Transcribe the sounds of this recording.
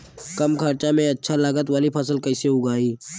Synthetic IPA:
kəmkʰaɾt͡ʃamẽɐtːʃʰalaːɡət̪ʋaːlipʰɐsəlkɐɪseɦʊɡaːiː

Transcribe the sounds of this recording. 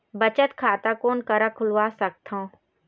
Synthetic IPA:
bɐt͡ʃət̪kʰaːt̪akoːnkɐɾakʰʊlʋaːsɐk̚t̪ɦõ

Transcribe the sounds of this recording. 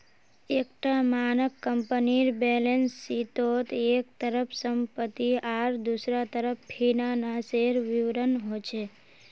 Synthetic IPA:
ekʈamanəkːəmpəniɾbelensːit̪ot̪ek̚t̪əɾəpʰsəmpət̪ːiaɾd̪usɾat̪əɾəppʰinanaseɾʋiʋɾənɦot͡ʃʰe

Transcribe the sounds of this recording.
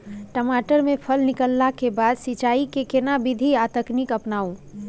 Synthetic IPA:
ʈəmaːʈəɾmẽpʰəlnɪkəlːakebaːd̪sit͡ʃaːikekenabɪd̪ʱiat̪əknɪkəpnaːũ

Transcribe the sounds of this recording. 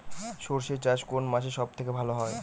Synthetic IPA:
ʃoɾʃet͡ɕaʃkonmaʃeʃɔb̚t̪ʰekebʱaloɦɔe

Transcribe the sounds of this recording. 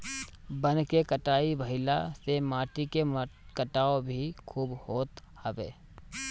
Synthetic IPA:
bə̃nkekəʈaːibəɦɪlasemaːʈike | kəʈaːobʱikʰuːbhoːt̪həʋeː

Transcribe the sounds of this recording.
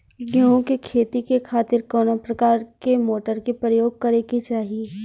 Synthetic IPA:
ɡõkekʰeːt̪ikekʰaːt̪ɪɾkɔːnapɾɐkaːɾkemoːʈəɾkepɾəjoːɡ̚kɐɾeɡit͡ʃaːɦije

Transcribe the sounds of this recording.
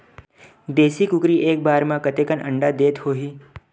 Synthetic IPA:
d̪eːsikʊkɾiʔeːk̚baːɾmãkət̪eːkənʔə̰̃ɳɖad̪eːt̪hoːɦiː

